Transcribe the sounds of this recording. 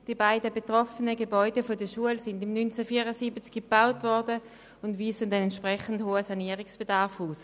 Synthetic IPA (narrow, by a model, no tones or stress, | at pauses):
d̥ibaɪdəbetʁɔfənəɡebɔʏdəfodəʃuəlsɪndɪmnynt͡sɛfiːɐʁəsiːbət͡skib̥aʊtvɔʁdə | ʊndviːsəndɛnɛntʃpʁɛχən̩dhoːəsaniːəʁɪksb̥edaʁfuːs